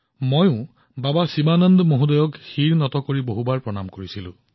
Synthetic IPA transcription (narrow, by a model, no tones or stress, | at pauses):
mojʊ̃ | babasimanɔndmoɦudɔjɔkxiɹnɔtɔkoɹiboɦubaɹpɹɔnamkoɹisilʊ̰̃